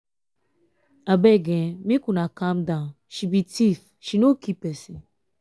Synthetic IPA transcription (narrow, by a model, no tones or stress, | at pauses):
abeɡẽmĩkunakamdãn | ʃibitif | ʃinokipesi